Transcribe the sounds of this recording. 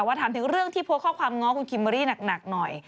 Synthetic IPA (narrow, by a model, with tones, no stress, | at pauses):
ɛ˨˩waː˥˩t̪ʰaː˨˩˦nt̪ʰɯ˩˦ŋɾɯ˥˩əŋt̪ʰiː˥˩pʰu˧˦˥kʰɔː˥˩kʰwaː˧mŋɔː˦˥ŋkʰu˧nkʰi˧ma˧ɾiː˥˩na˨˩k̚na˨˩k̚nɔ˨˩j